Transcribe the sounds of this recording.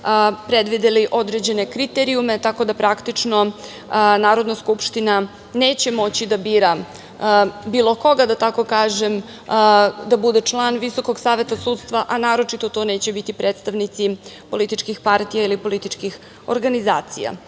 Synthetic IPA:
pɾed̪ʋid̪eliʔo̞d̪ɾe̞d͡ʑe̞ne̞kɾit̪eɾijume̞t̪ako̞d̪apɾakt̪it͡ʂno̞ | naːɾo̞d̪naskupʃt̪ina | ne̞ːt͡ɕe̞mo̞t͡ɕid̪abiːɾa | biːlˠo̞ko̞ɡad̪at̪ako̞kaːʒem | d̪abud̪e̞t͡ʂlˠaːnʋiso̞ko̞ɡsaːʋe̞t̪asuːt̪st̪ʋaʔanaːɾo̞t͡ʃit̪o̞t̪o̞ːne̞ːt͡ɕebit̪ipɾeːt̪st̪aʋnit̪sipo̞lit̪it͡ʃkixpaɾt̪ijailipo̞lit̪it͡ʃkix | oɾɡanizaːt̪sḭja̰

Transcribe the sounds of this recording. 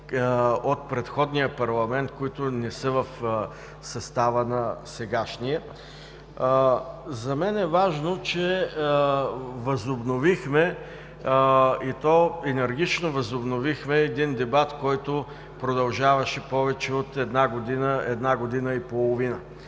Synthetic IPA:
ot̪̚pɾɛt̪xɔd̪nijəpɐɾlˠɐmɛnt̪koit̪ʊnɛsəvɐf | sɐst̪avənɐsɛɡaʃniɛ | zɐmɛnɛvaʒnot͡ʃɛ | vɐzobnovixmɛ | it̪ɔɛnɛɾɡ̟it͡ʃnovɐzobnovixmɛːd̪ind̪ɛbat̪kɔjt̪o | pɾod̪ɐlˠʒavɐʃɛpɔvɛt͡ʃɛot̪ɛd̪naɡod̪inəɛd̪naɡod̪inəipolˠovinə

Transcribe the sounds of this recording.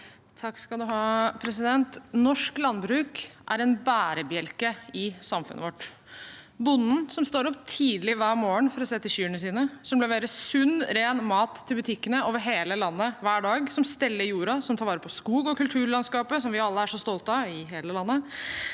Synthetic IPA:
t̪ʰɑkskɑld̪ʉɦɑːpʰɾɛs̬ɪd̪ɛnt̪nɔʂklɑnːbɾʉːkʔæ̰ɾɛnbæːɾəbjɛlkəɪsɑmfʉ̰nʔə̰ʋɔʈː | bʊnːn̩sɔmst̪oːɾɔpt̪ʰiːd̪lɪʋæːmoːəɳfɔɾɔseːt̪ːɪɕyːəɳəsiːnəsɔmblɛʋeːɾəsʉnːɾeːnmɑːt̪ʰːɪlbʉt̪ʰɪkːənəoːʋəɾɦeːləlɑnːəʋæːɖɑːɡsɔmst̪ɛlːəɾjuːɾɑsɔmt̪ʰɑːɾʋɑːɾəpʰɔskuːɡɔkʰʉlt̪ʰʉːɭɑnskɑːpəsɔmʋɪɑlːəæʂɔst̪ɔlt̪ɑɪɦeːləlɑnːə

